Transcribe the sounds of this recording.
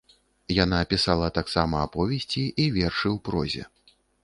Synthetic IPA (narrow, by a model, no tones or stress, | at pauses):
jan̪aːpʲisalˠɐt̪aksamɐːpɔvʲɛsʲt͡sʲiʔivʲɛrʂɨwpɾɔ̰zʲɛ̰